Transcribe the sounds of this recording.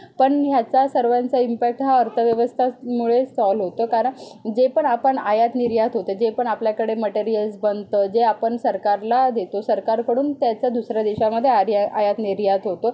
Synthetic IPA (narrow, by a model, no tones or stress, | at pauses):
pəɳɦjat͡sasəɾʋant͡saimpæk̚ʈɦaəɾt̪ʰəʋjəʋəst̪ʰamuɭesɔlɦot̪əːkaɾəɳd͡zepəɳapəɳajat̪niɾjat̪ɦot̪ed͡ʑepəɳapljakəɽeməʈeɾijəlsbənd̪t̪əd͡zeapəɳsəɾkaɾlad̪et̪osəɾkaɾkəɽuːnt̪jat͡sad̪usɾjad̪iɕaməd̪ʱːjeaɾjaa̰jat̪niɾjat̪ɦot̪o